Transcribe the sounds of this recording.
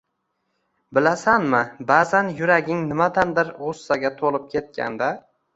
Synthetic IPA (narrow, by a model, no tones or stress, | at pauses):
bɪlasanmɪbazanjʊɾaɡʲɪŋnɪmad̪and̪ɪɾʁʊsːaɡʲat̪ʰolˠɪp̚kʲʰe̞t̪̚kʲʰa̰nd̪a